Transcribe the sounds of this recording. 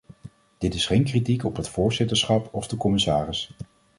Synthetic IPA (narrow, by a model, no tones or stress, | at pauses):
d̥ɪtɪsχejnkritikɔpɦətfʊːɹzɪtəɹsχɑpɔvdəkɔmɪsaːrɪs